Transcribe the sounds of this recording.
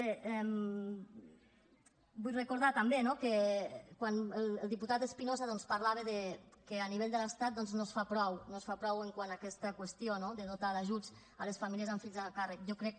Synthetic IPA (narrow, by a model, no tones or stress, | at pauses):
beɛm | bujrəkoɾðat̪ambenokekwanəllˠd̪iput̪at̪espinozaðɔnspaɾlaβ̞eðekeaniβeʎd̪əlest̪at̪̚d̪ɔnznosfapɾɔwnosfapɾɔweŋkwanakɛst̪əkwest̪ionoðəðot̪aðaʒut͡s | alesfamilˠiəzaɱfiʎzakarəkjɔkɾɛk̚